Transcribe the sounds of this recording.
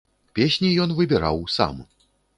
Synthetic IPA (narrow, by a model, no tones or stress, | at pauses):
pʲesʲnʲijɔnvɨbʲɛɾa̰wsa̰m